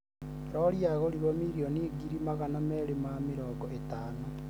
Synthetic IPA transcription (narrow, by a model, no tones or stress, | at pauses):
ɾɔɾjaɣoɾiɾomiɾioniɡiɾimaɣanamɛɾemamiɾɔːɡɔetaːno